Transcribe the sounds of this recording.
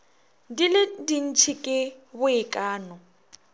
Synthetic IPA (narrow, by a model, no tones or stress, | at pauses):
dilɪdin̩t͡ʃʰikʼɪbʊɪkʼaːnɔ